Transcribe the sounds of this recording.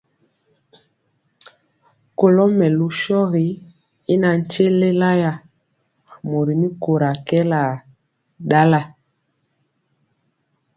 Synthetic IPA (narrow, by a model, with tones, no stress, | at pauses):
ko˨lɔ˦mɛ˨lu˨˦ʃɔ˦ɣi˨˦ | i˦na˨n̩˨t͡ʃe˦le˦la˦ja˦˨ | mo˨ɾi˨ni˦ko˨ɾa˨kɛ˦la˨ | da˦la˦